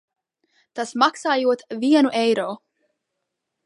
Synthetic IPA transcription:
t̪æsmɑksɑːjuot̪vienuʔejɾoː

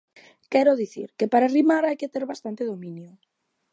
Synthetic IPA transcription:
kɛɾoðiθḭɾkepaɾarimaɾajket̪eɾβast̪ant̪eð̞omĩnjʊ

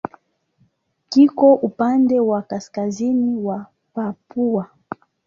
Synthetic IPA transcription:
kikɔʔupandɛwakaskaziniiwa | papua

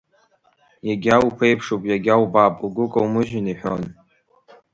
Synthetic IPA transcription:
jaɡʲawupʰejpʰʂopʼjaɡʲawbapʼuɡʷʊkʼawmɨʒᶣɪniħʷᶣon

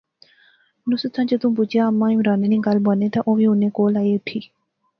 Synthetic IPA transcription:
nʊsət̪ʰãːt͡ʃət̪ũp̬ʊt͡ʃjaːəmãːjũːɾaːneːnĩːɡalbənẽːt̪ãːʔõːʋiːʊnẽːkoːlaːeːʊʈʰiː

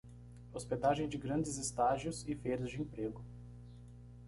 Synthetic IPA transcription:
osped̪aʒẽj̃d͡ʒɪɡɾɐ̃d͡ʒɪzɪst̪aʒiʊzɪfejɾɐzd͡ʒɪẽpɾeɡʊ

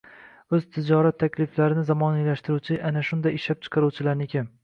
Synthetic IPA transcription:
ɵz̥t̪ʰɪd͡ʒɒɾat̪ʰːakʲlɪflaɾɪnɪzamɒnijlaʃt̪ɪɾuwt͡ʃʰɪʔanaʃʊnd̪ajɪʃlap̚t͡ʃʰɨ̥qʰɑɾuwt͡ʃʰɪlaɾnɪkʲʰɪm

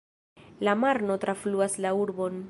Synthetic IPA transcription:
lamaɾno̞t̪ɾafluaslauɾbo̞n

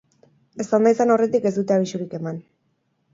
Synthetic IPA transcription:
e̞st̪and̪ajsano̞re̞t̪ike̞zd̪ut̪eaβiʃuɾike̞man

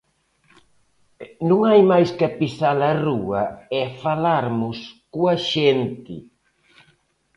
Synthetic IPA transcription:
nũŋajmajskapisalɐruɐɛfalaɾmʊskuɐʃent̪ɪ̰

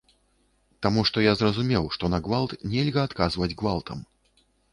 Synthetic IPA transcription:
t̪amuʂt̪ɔjazrɐzumʲɛwʂt̪ɔnɐɡvalˠt̪nʲɛlʲɣɐːt̪kazvɐd͡zʲɡvalˠt̪ʰɐm

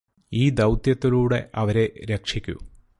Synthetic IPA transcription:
iːd̪ɐwt̪jɐt̪ːiluːɽe̞ʔɐʋɐɾe̞ɾe̞kʂikʲːṵ

